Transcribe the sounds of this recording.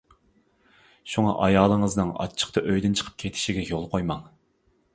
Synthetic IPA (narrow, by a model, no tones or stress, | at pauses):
ʃuŋɑ̰ʔɑjɑːlˠəŋəznɨŋɑ̰t͡ʃʰːə̥q̚t̪ʰɑʔøjd̪ynt͡ʃʰə̥qʰəp̚kʲʰet̪ʰɪ̥ʃiɡʲɛjolˠqʰojmɑŋ